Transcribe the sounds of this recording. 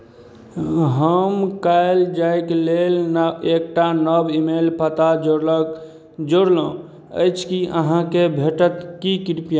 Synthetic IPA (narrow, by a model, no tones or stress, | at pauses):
ɦəmkaɪld͡ʒajklelnek̚ʈanəbimelpət̪ad͡ʒoɾlək | d͡ʒoɽlõ | ə̰jt͡ʃʰkiə̰ɦãkebʱeʈət̪kikiɾpija